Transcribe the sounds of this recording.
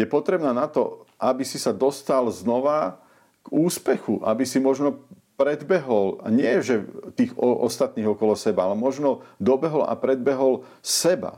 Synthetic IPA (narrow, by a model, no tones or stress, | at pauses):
jɛpɔt̪ɾɛbnaːnat̪ɔ̰ʔabisisad̪ɔst̪alznɔʋa | ɡ̥uːspɛxuʔabisimɔʒnɔ | pɾɛd̪bɛɦɔla̰ɲɪɛʒɛt̪iːɣɔʔɔ̰st̪at̪̚niːɣɔkɔlɔsɛbaalɛmɔʒnɔd̪ɔbɛɦɔla̰pɾɛd̪̚bɛɦɔl | sɛba̰